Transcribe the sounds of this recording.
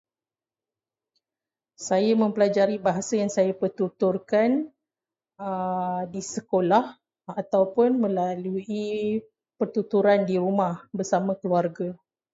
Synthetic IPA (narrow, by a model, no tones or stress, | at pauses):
sajamə̃mpəlad͡ʒaɾibaɦasajaŋsajapərt̪ut̪ʊrkan | ədisəkolah | at̪awpʊnmə̃lalui | pərt̪ut̪uɾandiɾumãhbərsamãkəluarɡa